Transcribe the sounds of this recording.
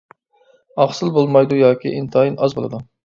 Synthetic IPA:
ɑχsɨlˠbolˠmɑjd̪ujɑːkʲḭʔint̪ʰɨɑjinɑzbo̰lˠɨd̪u

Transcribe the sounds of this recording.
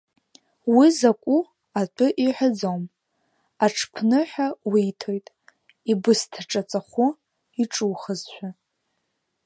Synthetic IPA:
wizakʷʼu | atʷʰʼʊʔiħʷʊd͡zowm | aʈ͡ʂʰpʰnɨħʷᶣawitʰo̞jtʼ | ibɨstʰaʈ͡ʂʼat͡sʼaχʷʊ | iʈ͡ʂʼuːχəzʃʷʰᶣa

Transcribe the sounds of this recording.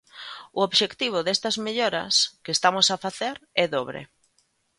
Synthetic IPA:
ʊoβʃekt̪iβ̞ʊðest̪ɐzmeʎoɾɐ̰skest̪amʊsafaθeɾɛðoβɾḛ

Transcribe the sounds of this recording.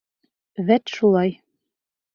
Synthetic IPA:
væt̪ʃulˠɑj

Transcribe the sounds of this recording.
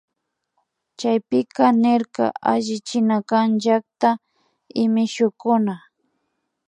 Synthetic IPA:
t͡ʃajpɪkanɪɾka̰aʒɪt͡ʃɪnakanʒak̚t̪a | ɪmɪʃʊkʊna

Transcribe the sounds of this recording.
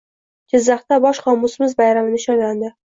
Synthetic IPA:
d͡ʒɪzːɑχt̪abɒʃχɒmːʊsmɪzbajɾamɪnɪʃɒnland̪ɪ

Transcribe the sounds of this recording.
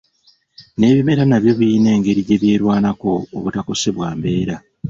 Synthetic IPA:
ne̞ːβime̞ɾanaβjo̞βiːne̞ːŋɡe̞ɾiɟe̞βje̞ːɾwaːnako̞̰ːβutako̞se̞βwaːmbe̞ːɾa

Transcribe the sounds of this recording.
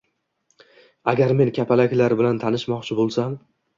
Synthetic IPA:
aɡʲaɾme̞nkʲʰapʰalakʲlaɾbɪlant̪ʰanɪʃmɒqt͡ʃʰɪbolˠsam

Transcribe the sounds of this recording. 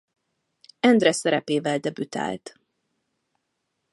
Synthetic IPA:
ɛnd̪rɛsɛɾɛpeːvɛld̪ɛbyt̪a̰ːlt̪

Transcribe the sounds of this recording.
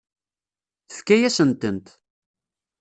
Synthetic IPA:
θə̥fkæjæsənt̪ənt̪

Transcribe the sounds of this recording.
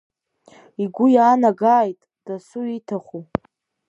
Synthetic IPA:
iɡʷʊjaːnaɡaːjtʼ | d̥asuitʰaχu

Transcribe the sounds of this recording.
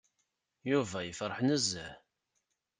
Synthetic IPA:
juvæjəfɾˤəħnəzːæ

